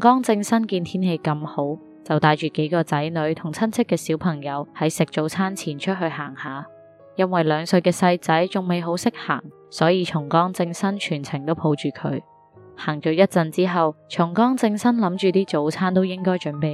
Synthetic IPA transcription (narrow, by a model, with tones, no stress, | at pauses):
kɔː˥ŋt͡sɪ˧ŋsɐ˥nkiː˧nt̪ʰiː˥nhe˧jkɐ˧mho˨˥w | t͡sɐ˨wt̪aː˨˧jt͡ʃyː˨ke˨˥jkɔː˧t͡sɐ˨˥jnɵ˨˧ɥt̪ʰʊ˨˩ŋt͡sʰɐ˥nt͡sʰɪ˥kːɛː˧siː˨˥wpʰɐ˨˩ŋjɐ˨˧whɐ˨˥jsɪ˨k̚t͡ʃt͡so˨˥wt͡sʰaː˥nt͡sʰiː˨˩nt͡ʃʰɵ˥t̚ɦɵ˧ɥhaː˨˩ŋhaː˨˧ | jɐ˥nwɐ˨jlœː˨˧ŋsɵ˨˧ɥkɛː˧sɐ˧jt͡sɐ˨˥jt͡sʊ˨˩ŋme˨jɦo˨˥wsɪ˥k̚ha̰ː˨˩ŋ | sɔː˨˥jiː˧t͡ʃʰʊ˨˩ŋkɔː˥ŋt͡sɪ˧ŋsɐ˥nt͡ʃʰyː˨˩nt͡sʰɪ˨˩ŋt̪o˥wpʰo˨˧wt͡ʃyː˨˩kʰɵ̰˨˧ɥ | haː˨˩ŋt͡ʃœː˨˧jɐ˥t̚t͡sɐ˨˧nt͡siː˥ɦɐ˨wt͡ʃʰʊ˨˩ŋkɔː˥ŋt͡sɪ˧ŋsɐ˥nlɐ˨˥mt͡ʃyː˨t̪iː˥t͡so˨˥wt͡sʰaː˥nt̪o˥wjɪ˥ŋkɔː˥jt͡ʃɵ˨˥npe˨j